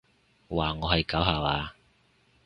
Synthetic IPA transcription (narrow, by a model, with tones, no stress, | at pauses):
waː˨ŋɔː˨˧hɐ˨jkaː˨˥wɦaː˨˩waː˧